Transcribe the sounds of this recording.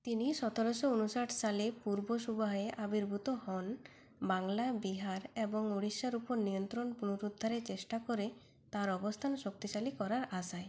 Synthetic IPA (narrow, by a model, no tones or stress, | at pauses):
t̪iniʃɔt̪ʰoɾoʃounuʃaʈʰsalepuɾboʃubaɦeʔabiɾbʱut̪ohɔn | baŋlabiɦaɾeboŋoɽiʃːaɾupoɾnijont̪ɾonpunuɾud̪ʱːaɾet͡ɕeʃʈakoɾe | t̪aɾɔbost̪ʰanʃok̚t̪iʃalikɔɾaɾasae